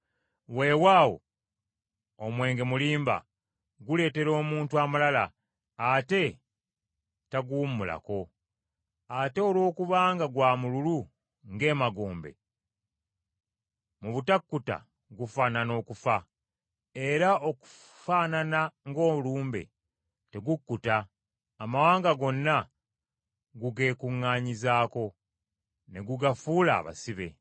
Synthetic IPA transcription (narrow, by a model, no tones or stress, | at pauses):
we̞ːwaːwo̞̰ | omwe̞ːŋɡe̞muliːmba̰ | ɡule̞ːte̞ɾo̞ːmuːntuamalala̰ː | te̞ | taɡummula̰ko̞ | ate̞olwo̞ːkuβaːŋɡaɡwaːmululu | ŋɡe̞ːmaɡoːmbe̞̰ | muβutakːuta̰ | ɡufaːnano̞ːkufa | e̞ɾao̞ku̥ | faːnanaŋɡo̞ːuluːmbe̞̰ | te̞ɡukːutaː | mawaːŋɡaɡo̞nːa | ɡuɡe̞ːkuŋːaːɲizaːko̞ | ne̞ɡuɡafuːla̰ːβa̰siβe̞̰